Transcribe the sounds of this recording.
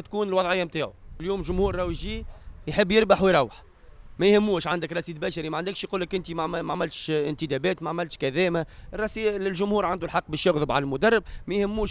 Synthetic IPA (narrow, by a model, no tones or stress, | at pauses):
t̪kuːnɪlwɑðˤʕɪjːamt̪aːʕuɪljuːmlʒʊmhuːɾˤɾˤɑːwjʒiːjħɪbːjɪɾbaħwɪjɾˤɑwːəħ | mæjhɪmːuːʃʕand̪ɪkɾˤɑsiːd̪̚bæʃɑɾimæʕand̪ɪkʃjquːlːəkʔɪnt̪imʕmaʕmɪlt̪ʃɪnt̪ɪd̪æbɛːt̪maʕamɪlt̪ʃkæðɛːmarˤːɑsiɪlʒʊmhuːɾʕand̪ulħɑqːbɪʃjʊɣðˤəbʕalælmʊd̪ɑrˤːɪb̚mæjhɪmːuːʃ